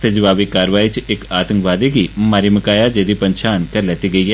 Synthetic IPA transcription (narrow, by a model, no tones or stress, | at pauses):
t̪ed͡ʒəʋaːʋikaːɾʋaːit͡ʃɪkaːt̪ə̃ŋkʋaːd̪ekimaːɾiməkaːjad͡ʒeːd̪ipɐ̃ɲt͡ʃʰaːnkɐɾleːt̪iɡɐiɦɛː